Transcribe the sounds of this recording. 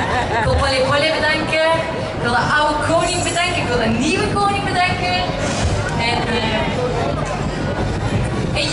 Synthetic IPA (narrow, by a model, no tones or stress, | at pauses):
ɪkʋɪlˠfɔlɪʋɔlɪːbədɑŋkə | kʋɪlˠdəʔawəkʰownɪŋbədɛŋkəɪkʋɪlˠənːiwəkownɪŋbədɛŋkə | ɛn | ɛn